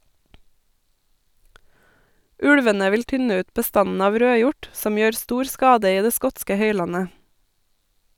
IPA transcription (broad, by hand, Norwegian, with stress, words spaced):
ˈʉɽʋənə ˈʋɪl ˈtʏnə ˈʉːt bəˈstɑnn̩ ˈɑːʋ ˈɾøːˌjʊʈ ˈsɔm ˈjøːɾ ˈstuːɾ ˈskɑːdə ˈiː ˈdeː ˈskɔtskə ˈhœʏˌlɑnə